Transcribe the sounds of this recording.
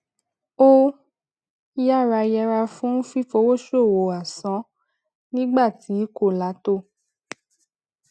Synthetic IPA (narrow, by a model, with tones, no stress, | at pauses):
o˦ | ja˦˨ɾa˧jɛ˧ɾa˧fũ˦fi˦fo˧˦wo˦ʃo˦˨wo˨a˨sɔ̃˨˦ | nĩ˦ɡ͡ba˦˨ti˨˦ko˦˨la˨˦to˦˨